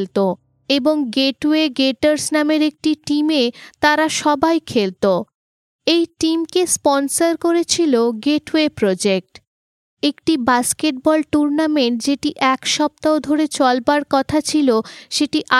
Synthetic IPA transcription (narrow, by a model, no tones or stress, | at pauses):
lt̪o | eboŋɡeʈweɡeʈaɾsnameɾek̚ʈiʈimet̪aɾaʃɔbajkʰelt̪o | ejʈimkespɔnsaɾkoɾet͡ɕʰiloɡeʈwepɾod͡ʑek̚ʈ | ekʈibaskeʈ̚bɔlʈuɾnameɳʈd͡ʑeʈiʔɛkʃɔp̚t̪aod̪ʱoɾet͡ɕɔlbaɾkɔt̪ʰat͡ɕʰiloʃeʈiʔa